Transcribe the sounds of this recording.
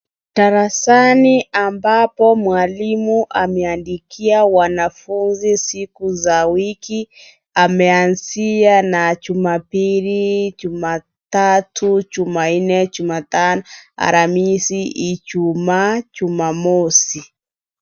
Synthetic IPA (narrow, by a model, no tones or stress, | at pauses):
taɾasaniʔambapɔmwalimuʔamɛandikʰiawanafunzisikuzawiki | amɛanzianat͡ʃumapilid͡ʒuma | tatut͡ʃuman̩nɛt͡ʃumatanɔa̰ɾamisiit͡ʃumat͡ʃumamɔsi